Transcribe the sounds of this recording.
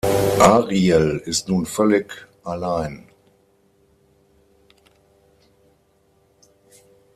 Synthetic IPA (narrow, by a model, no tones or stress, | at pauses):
ʔaːʁiɛlɪstnuːnfœlɪkʔalaɪn